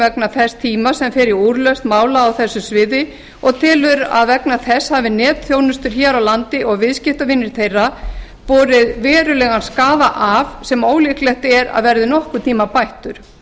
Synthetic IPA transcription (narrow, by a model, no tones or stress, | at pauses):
ɛknaθɛst̪ʰiːmasɛmfɪɾɪuɾlœst̪maːwlaːwθɛsːʏsvɪːðɪ | ɔɣt̪ʰɪːlʏɾa̰ðvɛknaθɛshavɪnɛːt̪θjoːwnʏst̪ʏɾ̥çɛːɾawlant̪ɪʔɔɣvɪðscɪft̪avɪnːɪɾ̥θejrːa | pɔːɾɪðvɛːɾʏlɛɣanskaːðaʔavsɛmoːwlɪhklɛht̪ɛɾa̰ðvɛɾðɪnɔhkʏt̪ʰiːmapajht̪ʏɾ̥